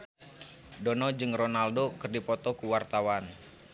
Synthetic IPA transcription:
dɔnɔd͡ʒɨŋrɔnaldokɨrdipɔt̪ɔkuwart̪awan

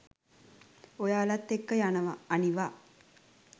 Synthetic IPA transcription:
ojaːlat̪ːekːəjanəʋaːniʋaː

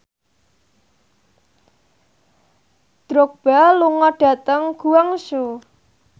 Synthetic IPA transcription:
d̪̥ɾok̚b̥aluŋɔɖ̥ä̤t̪əŋɡ̥uwaŋsu

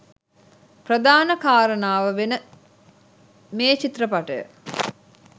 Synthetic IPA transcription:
prəd̪aːnəkaːɾənaːʋəʋenə | meːt͡ʃit̪rəpaʈəjə̰

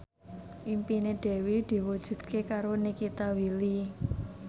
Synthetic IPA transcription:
ʔimpineɖ̪̥ɛ̤wid̪̥i̤wud̥ʒ̥ṳd̪̥̚kʰekaɾonikit̪awili

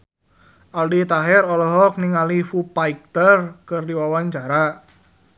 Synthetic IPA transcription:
ʔaldit̪aɦɛɾɔlɔɦɔk̚niŋalifupaik̚t̪ərkɨrdiwawaɲt͡ʃaɾa

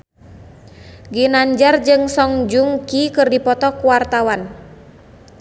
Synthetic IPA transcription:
ɡinaɲd͡ʒard͡ʒɨŋsɔŋd͡ʒuŋkikɨrdipɔt̪ɔkuwart̪awan

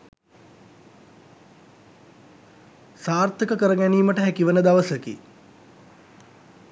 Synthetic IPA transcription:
saːrt̪ʰəkəkəɾəɡæniːməʈəɦækiʋənəd̪aʋəsəkḭ

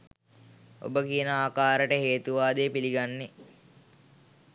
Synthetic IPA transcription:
o̰bəkiənəaːkaːɾəʈəɦeːt̪uʋaːd̪eːpiliɡanːe

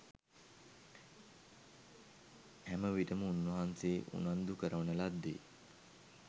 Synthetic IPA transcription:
hæməʋiʈəməunːəɦanseːʔṵnand̪ukəɾəʋənəlad̪ːḛ

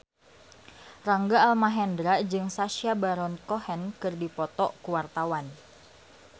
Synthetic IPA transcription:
raŋɡaːlmaɦɛndɾad͡ʒɨŋsaʃiabaɾɔnkɔhɛnkɨrdipɔt̪ɔkuwart̪awan

